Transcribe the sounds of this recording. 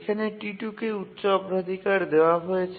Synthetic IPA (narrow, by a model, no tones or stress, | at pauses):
kʰaneʈiʈukeut̪ːɕɔɡɾod̪ʱikaɾd̪eoaɦojet͡ɕʰ